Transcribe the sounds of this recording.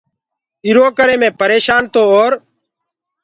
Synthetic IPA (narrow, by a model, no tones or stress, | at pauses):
ɪɾoːkəɾẽːmẽːpəɾeːʃaːnt̪oːoːɾ